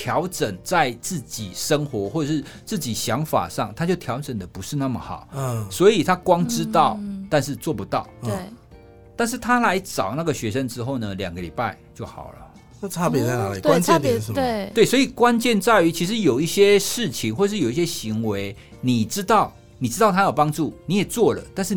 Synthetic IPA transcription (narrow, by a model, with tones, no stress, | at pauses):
t̪ʰjɑ˧˥ʊʈ͡ʂə˨˩ŋt͡sa˥˧ɪt͡sɹ̩˥˩t͡ɕi˨˩ʂə˥ŋxwɔ˧˥xwɔ˥˩ə˨˩ʂɻ̩˥˩ | t͡s̩˥˩t͡ɕi˨˩ɕjɑ˧˥ŋfa̰˨˩ʂɑ˥˩ŋt̪ʰa˥t͡ɕjo˥˩ʊt̪ʰjɑ˧˥ʊʈ͡ʂə˨˩ŋd̪ə˦pu˧˦ʂɻ̩˥˧na˥˩mə˩xɑ̰˨˩˦ʊswɔ˧˥i˨˩t̪ʰa˥kwɑ˥ŋʈ͡ʂɻ̩˥t̪ɑ˥˩ʊt̪a˥˧nʂɻ̩˥˧t͡swɔ˥˩pu˨˦t̪ɑ˥˩ʊ˩˥ | t̪a˥˧nʂ̬ɻ̩˥˩t̪ʰa˥la˧˥ɪʈ͡ʂɑ˨˩ʊna˥˩ɡə˩ɕɥɛ˧˥ʂə˧ŋʈ͡ʂɻ̩˥xo˥˩ʊnə˩ljɑ̰˨˩ŋɡə˦lḭ˨˩pa˥˧ɪt͡ɕjo˥˩ʊxɑ̰˨˩ʊlə̰˦ | na˥˧t͡sʰa˥pjɛ˨˦t͡sa˥˩na˨˦˨a˥t͡ɕɛ˥˧˥e˥˩t̪we˥˩ɪswɔ˧˥i˨˩kwa˦˥nt͡ɕjɛ˥˧nt͡sa˥˩ɪy˧˥t͡ɕʰi˧˥ʂɻ̩˧˦jo˨˩ʊi˥˩ɕjɛ˦˥ʂɻ̩˥˩t͡ɕʰi˨ŋxwɔ˥˩˨ʂɻ̩˥˩jo˨˩i˥ɕjɛ˥ɕi˧˥ŋwe˧˥ɪ | ni˨˩ʈ͡ʂɻ̩˥t̪ɑ˥˩ʊ | ni˨˩ʈ͡ʂɻ̩˥˩ʊa˥jɑ˨˩pɑ˥ŋʈ͡ʂu˥˩ni˨˥jɛ˨˩t͡swɔ˥˩lə̰˩t̪a˥˧nʂ̩˥˩